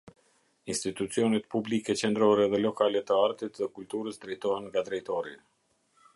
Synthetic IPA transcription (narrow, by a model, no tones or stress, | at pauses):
inst̪it̪ut͡siɔnɛt̪̚publikɛt͡ʃɛnd̪ɾɔɾɛðɛlɔkalɛt̪əaɾt̪it̪ðɛkult̪uɾəsd̪ɾɛjt̪ɔɦɛnŋɡad̪ɾɛjt̪ɔɾḭ